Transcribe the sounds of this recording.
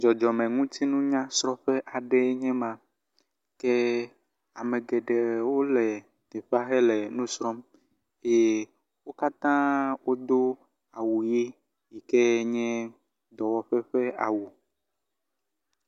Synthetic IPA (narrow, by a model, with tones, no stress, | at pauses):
d͡ʒɔ˨d͡ʒɔ˨mẽ˨ŋũ˦t̪i˦nũ˦ɲã˦sɾɔ̃˦ɸe˦ʔa˨ɖe˦ɲɛ̃˦mã˨ | ke˦ | a˨me˨ɡɛ˨ɖe˨wo˦lɛ˨ | t̪e˨ɸa˦xe˦lɛ˨nũ˦sɾɔ˦m | e˦˨ | wo˦ka˦t̪ã˦wo˦d̪o˦ | a˨wu˨ji˦ | ji˨ke˦ɲɛ̃˦ | d̪ɔ˨wɔ˨ɸɛ˦ɸe˦a˨wu˨